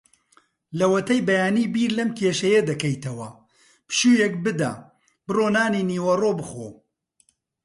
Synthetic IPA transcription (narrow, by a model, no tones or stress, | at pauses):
lɐwɐt̪ɐjbɐjaːniːbiːɾlɐmkʰeːʃɐjɐd̪ɐkɐjt̪ɐwɐ | pʃuːjek̚bɨd̪a̰ | b̥ɨroːnaːniniːwɐroːbɨxo